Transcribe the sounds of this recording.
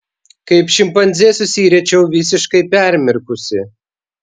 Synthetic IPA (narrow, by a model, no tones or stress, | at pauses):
kɐɪpʃʲɪmpɐnʲzʲeːsʊsʲiːɾʲɛt͡ʃʲɛʊʋʲɪsʲɪʃkɐɪpʲæˑɾʲmʲɪɾkʊsʲɪ